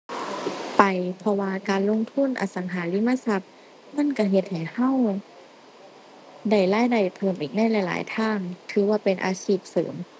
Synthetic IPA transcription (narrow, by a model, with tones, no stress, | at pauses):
pa˨jpʰɔ˧waː˧kaː˧nlo˧˨ŋt̪ʰu˧˥˨nʔa̰˧˩sa˨˦ŋɦaː˨˩˦li˧˥˨ma˧˥˨sa˧˥p̚ | ma˧˥˨nka˧˩ɦe˧˦t̪̚ha˨˩jha˧˥˩w | da˧˩jlaː˧˥˩jda˧˩jpʰɤː˧˩mʔiː˨˩k̚na˧˥˨jla˧˩jla̰ː˨˦jt̪ʰaː˧˥˩ŋt̪ʰɯː˨˦waː˧˩pe˧nʔa̰ː˧siː˧˩p̚sɤ̰ː˩˦m